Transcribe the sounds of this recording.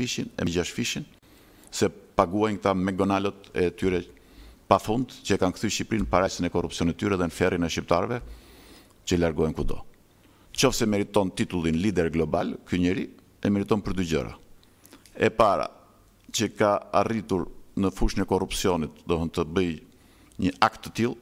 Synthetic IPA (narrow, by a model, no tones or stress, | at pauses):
iʃinɛ̰ɟaʃfiʃin | sɛpaɡuajŋɡt̪amɛɡɔnalɔt̪ɛt̪yɾɛ | pafund̪t͡ɕəɛkankθyʃipɾinəpaɾasinɛkɔrupsijɔnit̪əyɾɛðɛnəfɛrinɛʃip̚t̪aɾvɛ | t͡ɕəlaɾɡɔjnkud̪ɔ̰ | t͡ʃɔfsɛmɛɾit̪ɔnt̪it̪ulˠinlid̪ɛɾɡlɔba̰lkyɲəɾi | ɛmɛɾit̪ɔnpəɾd̪ɟɔ̰ɾa̰ | ɛpaɾa̰ | t͡ɕəkaarit̪uɾnəfuʃənɛkɔrupsiɔnit̪̚d̪ɔɦənt̪əbəj | ɲəʔakt̪ːə̥t̪ilˠ